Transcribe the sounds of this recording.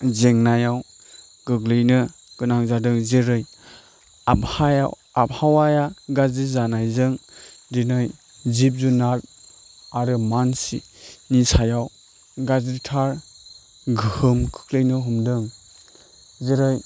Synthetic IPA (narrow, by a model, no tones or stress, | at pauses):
zeŋnajaw | ɡ̥ɯɡlɯjnɯ | ɡ̥ɯnaŋzadɯŋzeɾɯj | aphaja̰w | ap̚hawajaɡazizanajzɯŋdinɯj | zip̬̚zunat̚ | aɾɯmansḭnisajaw | ɡazitʰaɾ | ɡɯhɯmkʰɯ̥kʰlɯjnɯɦumdɯŋ | zeɾɯj